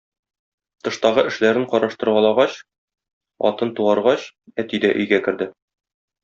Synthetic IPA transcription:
t̪ɤ̆ʃt̪ɑʁɤʔɘ̆ʃlæɾɘɴqɒɾɑʃt̪ɤ̆ɾwɑlˠɑʁɑɕ | ɒ̰t̪ɤnt̪uɑɾʁɑɕ | æt̪id̪æʔɵ̆jɡækɘ̆ɾd̪ɘ

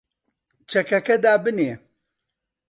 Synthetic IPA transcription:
t͡ʃʰɐkɐkɐd̪aːbɨneː

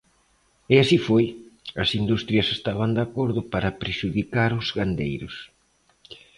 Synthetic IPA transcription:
ɛasifojɐsind̪ust̪ɾjɐsest̪aβand̪akoɾðʊpaɾɐpɾeʃuðikaɾʊzɡand̪ḛjɾʊs

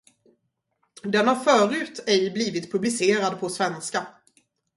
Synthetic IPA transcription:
d̪ɛnhaɾfœːɾʉ̟ːt̪ʰɛjbliːvɪt̪pʰɵblɪseːɾad̪̚pʰɔsvɛnska

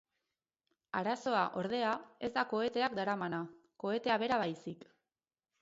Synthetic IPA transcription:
aɾaso̞aʔo̞ɾð̞e̞ae̞zd̪ako̞e̞t̪e̞akd̪aɾamana | ko̞e̞t̪e̞aβ̞e̞ɾaβajsik

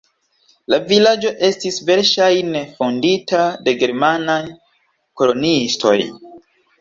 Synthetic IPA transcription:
lavilad͡ʒo̞ʔe̞stisve̞ɾʃajnefonditade̞ɡe̞ɾmanaj | ko̞lo̞nisto̞̰j

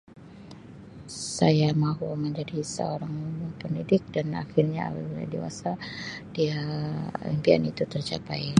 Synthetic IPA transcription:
sajamaɦuməɲd͡ʒadisə̰oɾaŋpəndidɪk̚dana̰xirɲaa̰pa̰bila̰diwa̰sad̥ialimpia̰nit̪ut̪ərt͡ʃapaj

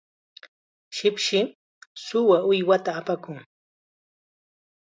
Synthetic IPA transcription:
ʃɪpʃɪ | sʊwaʊjwat̪aːpakʊŋ

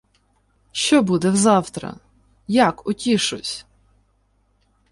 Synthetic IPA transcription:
ʃt͡ʃɔbud̪ɛwzɑwt̪ɾɐ̰ | jakʊtʲiʃʊsʲ

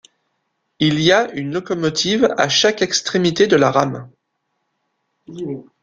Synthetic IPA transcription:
iliaynlɔkɔmɔt̪ʰiva̰ʃakɛkst̪χemit̪ed̪əlaʁam

